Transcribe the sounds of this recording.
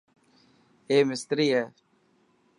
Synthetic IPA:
eːmɪst̪ɾiːɦɛː

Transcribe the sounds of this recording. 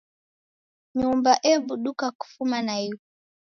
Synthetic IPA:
ɲumbaʔɛɓuɗukaku̥fumanai

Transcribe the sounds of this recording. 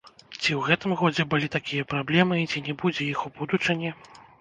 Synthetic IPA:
t͡sʲiwɣɛt̪ɨmɣɔd͡zʲɛbɨlʲit̪akʲijɐpɾablʲɛmɨt͡sʲinʲɛbud͡zʲɛjixubud̪ut͡ʂɨnʲɛ

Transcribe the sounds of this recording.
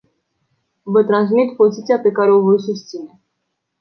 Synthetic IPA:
vət̪ɾans̬mit̪pozit̪sijapekaɾeovəjs̬ust̪sine

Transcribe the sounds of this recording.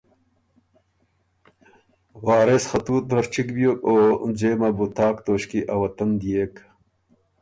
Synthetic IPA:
waːɾesxɐt̪uːt̪̚bbɐɾt͡ɕikbijoːkod͡ʑeːmɐbut̪ʰaːkt̪oːɕkiʔɐwɐt̪ɐnd̪ijeːk

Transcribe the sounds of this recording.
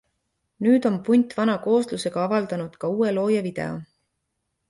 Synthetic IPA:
nyːd̪̥o̞mpujnʲt̪ːˑvɑnɑko̞ːsluse̞ɡ̥ɑɑvɑld̪ɑnud̪̥kɑuːe̞lo̞ːjɑvid̪̥e̞̰o̰

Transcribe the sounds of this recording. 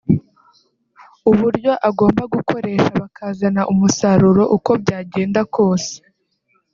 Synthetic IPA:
uβuɾɟo̞ʔaɡo̞ːmbaɡuko̞ɾe̞ːʃaβakaːzanaʔumusaɾuɾo̞ʔuko̞b̚ɟaːɟeːndakʰo̞ːse̥

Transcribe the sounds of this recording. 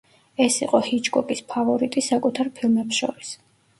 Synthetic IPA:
ɛsiqʼɔhit͡ʃʰɡɔkʼispʰavɔɾit̪ʼisakʼut̪ʰaɾpʰilˠmɛpsʃɔ̰ɾis

